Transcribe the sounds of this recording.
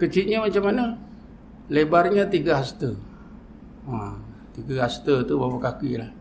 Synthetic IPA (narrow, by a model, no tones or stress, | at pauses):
kət͡ʃit̪̚ɲamat͡ʃamana | lebarɲat̪iɡaɦast̪ə | at̪iɡaɦast̪ət̪ubawakakilah